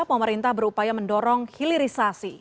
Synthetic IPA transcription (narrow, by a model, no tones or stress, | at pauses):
pəməɾint̪ahbəɾupajaməndɔɾɔŋhiliɾisasi